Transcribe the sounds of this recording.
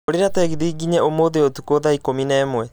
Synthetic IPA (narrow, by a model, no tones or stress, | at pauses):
oɾeɾatɛɣiðiːɡiɲɛomoðeotukoðaikominɛːmwɛ